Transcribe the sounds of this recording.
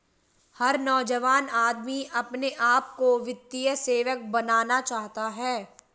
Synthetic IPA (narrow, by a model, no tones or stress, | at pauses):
hɐɾnɔːd͡ʒəʋaːnaːd̪miɐpneʔaːp̚koʋɪt̪ːijəseːʋək̚bɐnaːnat͡ʃaːɦt̪aɦɛː